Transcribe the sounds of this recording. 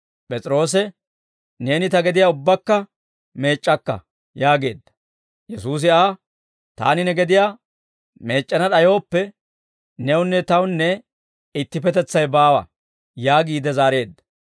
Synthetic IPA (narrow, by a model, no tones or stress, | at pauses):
pʼɛt͡sʼɾo̞ːs̬ɛ | ne̞ːnɪt̪ɐɡɛd̪ɪjaːʊbːɐkːɐ | me̞ːt͡ʃʼːɐkːɐ̰ | jaːɡe̞ːd̪ːɐ̥ | jɛsuːs̬ɪaː | t̪a̰ːnɪnɛɡɛd̪ɪjaː | me̞ːt͡ʃʼːɐnɐɗɐjo̞ːpːɛ | nɛwʊnːɛt̪ɐwnːɛ | ɪt̪ːɪpɛt̪ɛt͡sːɐjbaːwɐ̰ | jaːɡiːd̪ɛzaːɾe̞ːd̪ːɐ̥